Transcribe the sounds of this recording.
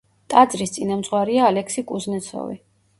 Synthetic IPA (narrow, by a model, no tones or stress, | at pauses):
t̪ʼad̪zɾist̪sʼinamt̪sʼʁwaɾiaːlɛksikʼuznɛt̪sʰɔ̰vḭ